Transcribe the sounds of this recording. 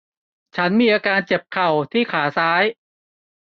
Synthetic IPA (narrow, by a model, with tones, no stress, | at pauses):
t͡ɕʰa˦˥nmiː˧ʔaː˧kaː˧nt͡ɕe˨˩p̚kʰa˨˩wt̪ʰiː˥˩kʰaː˩˦saː˦˥j